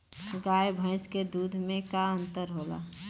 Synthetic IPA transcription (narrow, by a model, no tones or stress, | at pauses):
ɡaːjbʱə̃ɪ̃sked̪uːd̪ʱmẽkaə̃nt̪əɾɦoːla̰